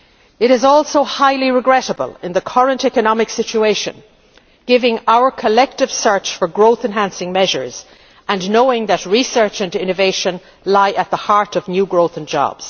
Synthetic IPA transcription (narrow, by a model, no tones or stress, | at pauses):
ɪɾɪzɔlˠsoʊhaɪliɹɪɡɹɛɾəbə̰lˠɪ̃nðəkʰʌɹə̃ntɛkənɑmɪksɪt͡ʃueɪʃɨ̰̃n | ɡ̥ɪvɪ̃ŋaʊə˞kʰəlɛk̚tɨv̥sɜ˞t͡ʃfə˞ɡɹoʊθɨ̃nɦæ̃nsɪ̃ŋmɛʒə̰˞z̥ | ʔə̃nːoʊɪ̃ŋðɨt̚ɹisɜ˞t͡ʃɨ̃ndɪ̃nɨveɪʃə̃n | laɪʔət̪̚ðəhaɹɾʌvnjʉɡɹoʊθə̃nd͡ʒɑ̰b̥z̥